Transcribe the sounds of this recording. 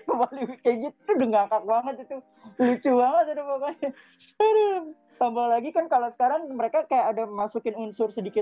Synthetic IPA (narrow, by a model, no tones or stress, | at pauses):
kəmbaliwikajɡit̪t̪udəŋɡakak̚baŋət̪̚it̪u | lut͡ʃubaŋət̪̚it̪upaka | ɾə | t̪ambalaɡikankalosə̥kaɾaŋməɾekakajaʔadamasukɪnunsʊrsədikɪt̪̚